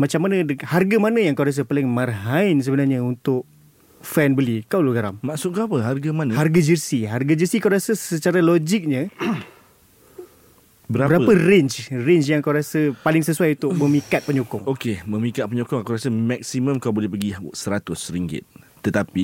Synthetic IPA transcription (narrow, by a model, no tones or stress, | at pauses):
mat͡ʃamːanə̃harɡamanãjaŋkawɾas̬əpalɪŋmarɦaɪns̬əbənarɲaunt̪ʊk̚ | fɛnbəlikawluɡaɾa̰mmãksʊt̪̚kaapəɦarɡamanaharɡad͡ʒərsiɦarɡad͡ʒəsikawɾasəsət͡ʃaɾalod͡ʒik̚ɲə | bəɾaəɾapəɾɪɲt͡ʃrɪɲt͡ʃjaŋkawɾasəpalɪŋsəsuajunt̪ʊməmikat̪̚pəɲokɔŋokemə̃mĩkat̪̚pəɲokɔŋakawɾasəmɛk̚simə̃mkawbolɛhpəɡisəɾat̪ʊsɾiŋɡɪ̰t̪̚ː | ət̪api